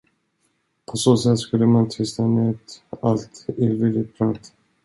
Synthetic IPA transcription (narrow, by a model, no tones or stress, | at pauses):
pʰɔsoːsɛt̪ːskɵlːəmant̪ʰʏst̪aneːt̪alt̪ɪvilɪpʰɾɑːt̪